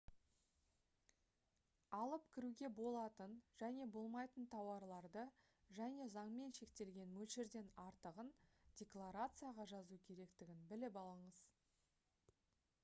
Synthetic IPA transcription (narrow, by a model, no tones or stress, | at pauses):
ɑlˠəp̚kʲʰɪɾuɡʲe̞bo̞lˠɑt̪ənʒ̥æne̞bo̞lˠmɑjt̪ənt̪ʰɑwɑɾlˠɑɾd̪ə | ʒæne̞zɑɴme̞nʃe̞kt̪e̞lɡʲe̞nmɵlʃeɾd̪e̞nɑɾt̪əʁənd̥ʲe̞klˠaɾat̪sɨjaʁɑʒɑzukʲʰe̞ɾe̞kt̪ɪɡʲɪnbɪlɪpɑlˠəɴəz